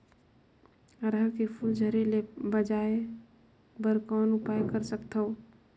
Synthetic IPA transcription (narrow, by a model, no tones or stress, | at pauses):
ɾəɾkepʰuld͡ʒʱəɾelebəd͡ʒae | bəɾkanupajkəɾsəkt̪ʰəʊ